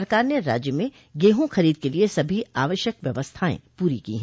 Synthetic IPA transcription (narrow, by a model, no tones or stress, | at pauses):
ɾkaːɾneɾa̰ːd͡ʒjəmẽ | ɡeːɦõxɐɾiːd̪̚keliesɐbʱiaːʋəʃjəkʋjɐʋəst̪ʰaːḛ̃puːɾikḭːɦɛ̃ː